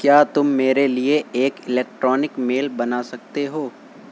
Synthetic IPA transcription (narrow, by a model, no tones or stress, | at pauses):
kjaːt̪ʊmːeːɾelieeːkɪlɛːk̚ʈɾɔːnɪkmeːlbɐnasɐk̚t̪eɦoː